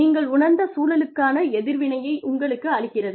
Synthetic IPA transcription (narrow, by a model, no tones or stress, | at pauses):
iːŋɡɐɭʊnɐɾnd̪ɐsuːlɐlɯkːaːnɐɛðɪɾʋɪnɐjɐɪʔʊŋɡɐɭɯkːɯɐɻɪɣɪrɐðɯ